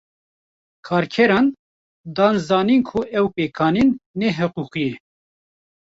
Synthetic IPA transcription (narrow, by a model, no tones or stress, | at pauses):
kʰɑːɾkʰɛɾɑːn | d̪ɑːnzɑːniːnkʰuʔɛwpeːkʰɑːninːɛɦɨquːqijɛ